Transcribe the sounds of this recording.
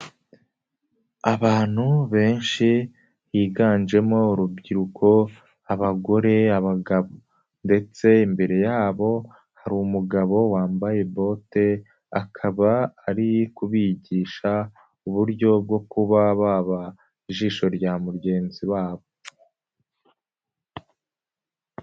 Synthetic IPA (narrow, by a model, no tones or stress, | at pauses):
aβaːn̥huβe̞ːnʃi | hiːɡaːnʒe̞mo̞uɾub̚ɟiɾukʰo̞ | aβaɡo̞ɾe̞aβaɡaβo | nde̞t͡se̞imbe̞ɾe̞jaːβo̞ | haɾumuɡaβo̞waːmbaje̞bo̞te | akʰaβaːɾikuβiɟiːʃa | uβuɾɟo̞b̚ɡo̞kuβaβaːβa | iʒiːʃo̞ɾɟamuɾɟe̞ːnziwaːβo̞